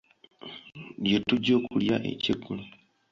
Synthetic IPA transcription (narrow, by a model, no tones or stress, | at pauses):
ljetuɟoːkuljaʔḛciɡulu